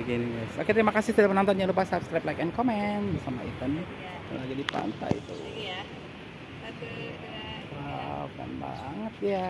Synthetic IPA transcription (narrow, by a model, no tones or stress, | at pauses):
ɡiniɡasakɛt̪əɾimakasɪht̪idapənant̪anɲalupasapskɾajplajkɛnkomɛnbsamaḭt̪ani | ka̰nlaɡidipa̰nt̪a̰jḭt̪ṵ | it̪u | aka̰nba̰ŋət̪̚ja